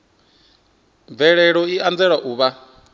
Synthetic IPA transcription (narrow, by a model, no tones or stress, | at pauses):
b̪vɛɺɛɺɔiʔand͡zɛɺaʔuːβa